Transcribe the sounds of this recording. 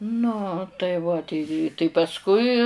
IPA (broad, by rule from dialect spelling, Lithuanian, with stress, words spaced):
nʊ tɐɪ ˈʋɐ tʲɛɪ tɐɪ pɐsˈkʊɪ